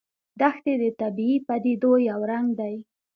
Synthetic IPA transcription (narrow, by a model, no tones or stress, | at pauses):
d̪axt̪ed̪ət̪abiipad̪id̪ojawɾaŋɡd̪aj